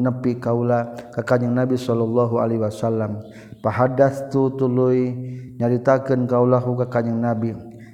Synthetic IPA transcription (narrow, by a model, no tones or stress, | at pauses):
nəpikaulakakaɲəŋnabisɔlɔlːaɦua̰leɦwasalːam | paɦadaθt̪ut̪uluiɲaɾit̪akənkaulaɦukakaɲəŋnabi